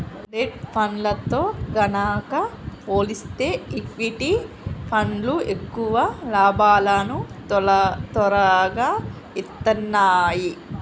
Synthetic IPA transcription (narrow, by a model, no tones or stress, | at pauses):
leʈpʰɐnlɐt̪o̞ːɡɐnaːkɐpoːlist̪e̞ːikʋiʈi | pʰɐnluekːuʋɐlaːbaːlanu | t̪ɐɾɐɡaː | it̪ːɐnːaːji